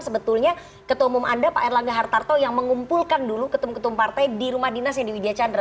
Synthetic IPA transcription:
səbət̪ulɲa | kət̪omumʔandapa̰ʔɛrlaŋɡaɦart̪art̪ojaŋməŋumpulkandulukət̪umkət̪umpart̪ajdiɾumahdinasjaŋdiwidiat͡ʃandɾa

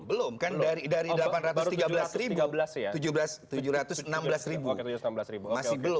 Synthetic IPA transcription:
bəlʊmkandaɾidaɾidəlapanrat̪t̪iɡabəlasɾibbəlasjat̪ud͡ʒubəlast̪ud͡ʒuɾat̪ʊsənambəlasɾibunambəlasɾibumassɪhbəlʊ

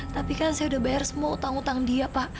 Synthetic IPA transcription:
t̪apikansajaudahbajarsəmuaut̪aŋut̪aŋdiapaʔ

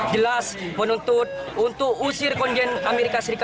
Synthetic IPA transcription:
d͡ʒəlaspənunt̪ʊt̪̚ | unt̪ʊkusirkɔndɛnamɛɾikasəɾika

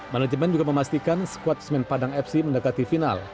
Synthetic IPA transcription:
manad͡ʒəmɛnd͡ʒuɡaməmast̪ikansə̥kuat̪̚smɛnpadaŋɛp̚siməndakat̪ifina̰l

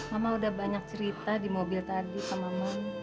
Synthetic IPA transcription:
ŋamaudahbaɲak̚t͡ʃəɾit̪adimobɪlt̪adipamaman

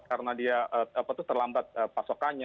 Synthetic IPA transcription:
kaɾənadiaʔəapat̪ʊht̪ərlambat̪̚əpasokaɲa

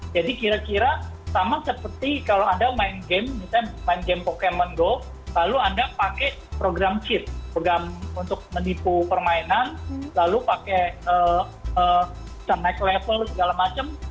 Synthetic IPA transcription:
d͡ʒadikiɾakiɾasamasəpərt̪ikaloandamaɪnɡɛmmit̪amaɪnɡɛmpokemənɡɔ | laluandapakɛ | pɾoɡɾamt͡ʃɪt̪̚pɾoɡamunt̪ʊk̚mənipupərmaenanlalupakɛəː | ə | sənaklefəlsəɡalamat͡ʃəm

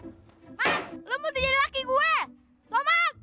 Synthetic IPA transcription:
maləmut̪id͡ʒadilakiɡuɛ | soma

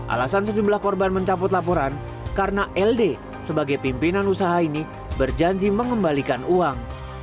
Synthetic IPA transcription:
ʔa̰lasansəd͡ʒumblahkɔrbanməɲt͡ʃapʊt̪lapɔɾan | karənaʔɛlde | səbaɡajpimpinanusaɦaini | bərd͡ʒaɲd͡ʒiməŋəmbalikanuaŋ

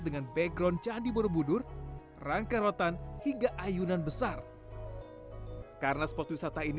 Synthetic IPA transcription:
dəŋanbɛɡɾɔnt͡ʃandiboɾobudʊr | raŋkaɾot̪anhiŋɡaʔajunanbəsar | karənaspɔt̪wisat̪ain

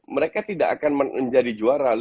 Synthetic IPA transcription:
məɾekat̪idaʔːkanməəɲd͡ʒadid͡ʒuaɾal

